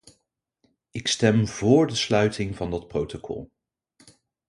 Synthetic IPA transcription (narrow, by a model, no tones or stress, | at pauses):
ɪkstɛmvʊːɹdəslœɥtɪŋvɑndɑt̚prowtokʰɔ̰lˠ